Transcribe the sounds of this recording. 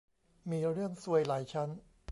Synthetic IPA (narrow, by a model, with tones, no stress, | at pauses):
miː˧ɾɯ˥˩əŋsu˧əjlaː˩˦jt͡ɕʰa˦˥n